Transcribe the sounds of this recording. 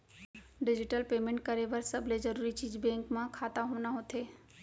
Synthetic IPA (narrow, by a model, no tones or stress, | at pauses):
ɖɪd͡ʒɪʈəlpeːmẽɳʈ̚kɐɾeʋɐɾsɐblezɐɾuːɾit͡ʃiːzbɛ̃ːŋkmãkʰaːt̪aɦoːnaɦoːt̪ʰeː